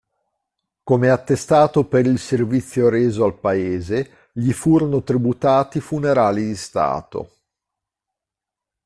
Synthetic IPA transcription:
komeat̪ːest̪aːt̪opeɾilservit̪sːjoɾeːzoalpaeːze | ʎifuːɾonot̪ɾibut̪aːt̪ifuneɾaːlid̪ist̪a̰ːt̪o̰

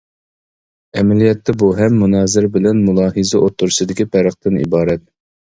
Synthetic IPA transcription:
ɛmɛlijɛt̪ʰːɛbuɦɛmːunɑːzɪɾbɪlɛnmulˠɑːɦɨzɛʔot̪ʰːʊɾsɨd̪ɪkʲipʰæɾəχt̪ɨnḭbɑːɾɛt̪̚

